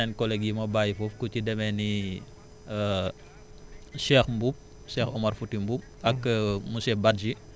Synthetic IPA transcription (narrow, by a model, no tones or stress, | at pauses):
ɛnkɔlɛɡjimɐbajifɔfkucidɛmɛni | ʃɛːxmbup̚ | ʃɛːxɔmɐrfutimbup̚ɐkmusɛbat̚d͡ʒi